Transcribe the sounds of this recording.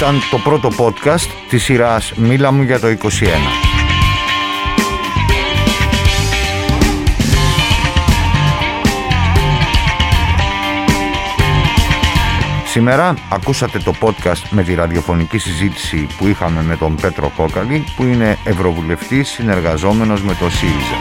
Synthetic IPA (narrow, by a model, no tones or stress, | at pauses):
ɐnt̪o̞pɾo̞t̪o̞po̞t̪kɐst̪ːisiɾɐsmilɐmuʝɐt̪o̞iko̞sie̞nɐ̰ | sime̞ɾɐːkusɐt̪e̞t̪o̞po̞t̪kɐst̪me̞t̪iɾɐðio̞fo̞nicisizit̪i̥sipuixɐme̞me̞t̪o̞mpe̞t̪ɾo̞̰ko̞kɐlipuine̞ːvɾo̞vule̞ft̪isːine̞ɾɣɐzo̞me̞no̞zme̞t̪o̞siɾizɐ̰